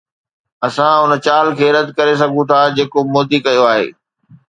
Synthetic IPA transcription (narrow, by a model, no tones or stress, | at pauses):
ɐsãʊn̆t͡ɕaːlkʰeːɾɐd̪ʱkɐɾes̬ɐɡʱũt̪ʰaːd͡ʑeːkomoːd̪ikɐjoaːɦḛː